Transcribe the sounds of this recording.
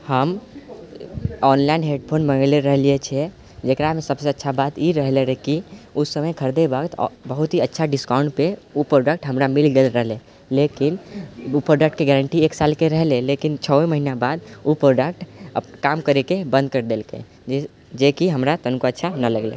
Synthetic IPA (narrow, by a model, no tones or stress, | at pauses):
həm | ɔnlainɦeɖpʰonbənleɾəɦliet͡ʃʰɛ | d͡ʒekɾamesəbseətːʃʰabat̪iɾəɦleɾəkiusəməjkʰəɾd̪ebaɡt̪bəɦut̪ɦiətːʃʰaɖiskaʊ̃ɳɖpeupɾoɖəkʈɦəmɾamilɡelɾəɦle | lekinupɾoɖək̚ʈ̚keɡɛɾəɳʈieksalkeɾəɦlelekint͡ʃʰəeməɦinabad̪upɾoɖək̚ʈəkamkəɾekebə̃nd̪̚kəɾd̪elkḛ | d͡ʒekiɦəmɾat̪ənkoətːʃʰanələɡlḛ